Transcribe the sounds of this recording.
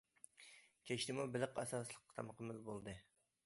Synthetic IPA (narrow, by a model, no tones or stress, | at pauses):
kʲʰeʃt̪ɪmubɪlɪqɛsɑslˠəq̚ːt̪ʰɑmqʰəmɪlbolˠd̪ɨ